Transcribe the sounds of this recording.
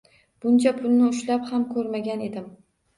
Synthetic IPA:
b̥ʊnt͡ʃʰapʰʊlˠnɪʊʃlaphamkʰɵɾmaɡʲane̞d̪ɪm

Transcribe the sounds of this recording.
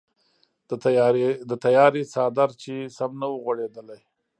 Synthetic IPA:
d̪ət̪ajɑɾisɑd̪aɾt͡ʃesamnawəɣwaɽed̪əlaj

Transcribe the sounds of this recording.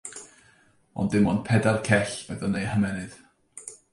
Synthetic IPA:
ɔ̰ndɪmɔnpʰɛdarkʰɛɬv̥ɛðɔnejhəmɛnɨð̥

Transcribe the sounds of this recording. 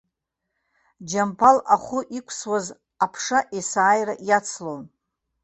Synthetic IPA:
d͡ʒampʰalaχʷʊʔikʷʰswaz | apʰʂaʔesaːjraʔjat͡sʰlon

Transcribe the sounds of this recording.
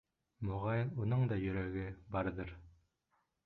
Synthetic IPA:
mŏʁɑjɤnunɤɴd̪ɑjɵ̆ɾæɡɘbɑɾðɤɾ

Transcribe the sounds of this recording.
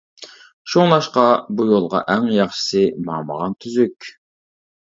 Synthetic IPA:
ʃuŋlˠɑʃqɑbujolˠʁɑ̰ʔɛŋjɑχʃɪ̥sɨmɑmə̰ʁɑnt̪ʰyzykʲ

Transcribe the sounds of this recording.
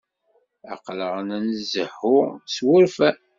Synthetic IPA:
ɑ̰qləʁənænzəhːʊswʊɾfæ

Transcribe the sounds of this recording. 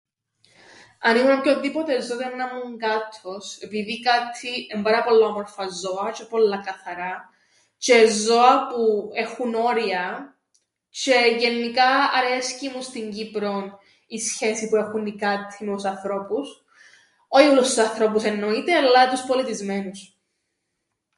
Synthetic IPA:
ɐniɣunɐpçoðipot̪ezːot̪enːɐmːuŋɡɐt̪ʰːo̞se̞piðikɐt̪ʰːiembɐɾɐpo̞lːɐɐmoɾfɐzːo̞ɐt͡ʃepo̞lːɐkɐθɐɾɐ | t͡ʃezo̞ɐpue̞xuno̞ɾiɐ | t͡ʃe̞ʝe̞nːikɐɐɾescimust̪iɲɟipɾo̞n | isçe̞sipue̞xunikɐt̪ʰːimet̪usɐnθɾo̞pus | oiolust̪usɐnθɾo̞puse̞nːo̞it̪eɐlːɐt̪uspo̞lit̪izme̞nus

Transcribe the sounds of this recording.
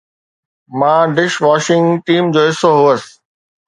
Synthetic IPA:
mãːɖɪʃʋaːʃɪ̃ŋɡʈiːmd͡ʑoːɦɪsoɦuəs

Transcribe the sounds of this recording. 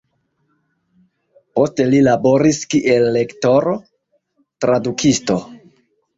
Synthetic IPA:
po̞ste̞lilabo̞ɾiskiʔe̞lːe̞kto̞ɾo | tɾadukʰisto̞

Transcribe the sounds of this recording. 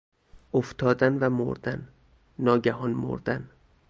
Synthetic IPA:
ʔoft̪ʰɒːd̪ænvæmo̰ɾd̪ænː | ɒːɟæhɒːnmo̰ɾd̪æn

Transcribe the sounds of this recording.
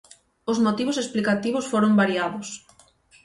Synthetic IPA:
ʊzmot̪iβʊsesplikat̪iβʊsfoɾombaɾiaðʊs

